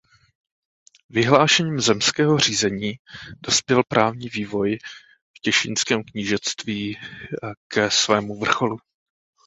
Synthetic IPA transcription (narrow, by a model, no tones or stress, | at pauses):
vɪɦlaːʃɛɲiːmzɛmskɛːɦo̞riːzɛɲiːdo̞spjɛlpɾʔaːvɲiːviːvo̞j | fcɛʃɪnskɛːmkɲiːʒɛt͡st̪viːakɛsvɛːmuvr̩xo̞lu